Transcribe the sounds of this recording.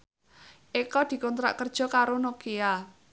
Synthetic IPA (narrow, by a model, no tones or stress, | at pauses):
ʔekɔd̪̥i̤kɔnt̪ɾa̰ʔkərd̥ʒ̥ɔ̤kaɾonokea